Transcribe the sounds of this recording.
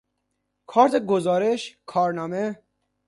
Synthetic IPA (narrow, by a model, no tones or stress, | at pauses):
kʰɒːɾt̪ʰeɡozɒːɾeʃkʰɒːɾnɒːme